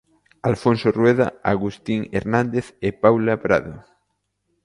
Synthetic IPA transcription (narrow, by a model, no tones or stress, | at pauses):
alfõnsorweða̰aɣust̪iŋḛɾnãnd̪eθepawlapɾaðo